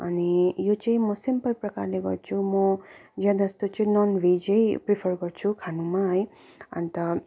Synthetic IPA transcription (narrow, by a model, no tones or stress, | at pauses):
ʌnijot͡sʌĩmʌsimpʌlprʌkarleɡʌ̰rt͡sʰumʌd͡zãd̪ʌst̪ot͡sʌĩnɔnbʱid͡ʒʌjpripʰʌrɡʌɾt͡sʰukʰanũmaʌj | ʌ̰nt̪ʌ